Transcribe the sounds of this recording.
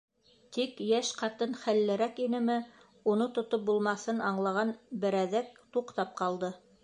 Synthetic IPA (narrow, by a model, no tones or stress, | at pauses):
t̪ikjæʃqɑt̪ɤnχælːɘ̆ɾækinɘ̆mɘ | unɤt̪ŏt̪op̚bulˠmɑθɤnɑɴlˠɑʁɑnbɘ̆ɾæðæk̚t̪uqt̪ɑp̚qʰɑlˠd̪ɤ